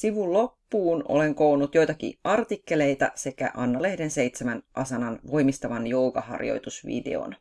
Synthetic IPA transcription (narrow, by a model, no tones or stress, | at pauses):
siʋullːo̞pːuːno̰le̞ŋko̞unut̪jo̞jt̪ɑkḭɑrt̪ikːe̞le̞jt̪ɑ̰se̞kæ̰ʔɑnːɑle̞hde̞nse̞jt̪semænʔɑsɑnɑnʋo̞jmist̪ɑʋɑnjoukɑhɑ̰rjo̰jt̪usʋḭdḛo̰n